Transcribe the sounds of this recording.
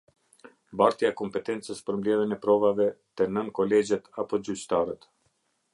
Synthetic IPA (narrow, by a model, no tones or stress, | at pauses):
baɾt̪jaɛkɔmpɛt̪ɛnt͡səspəɾmblɛðənɛpɾɔvavɛt̪ɛnənkɔlɛd͡ʑɛt̪apɔd͡ʒyt͡ɕt̪aɾət̪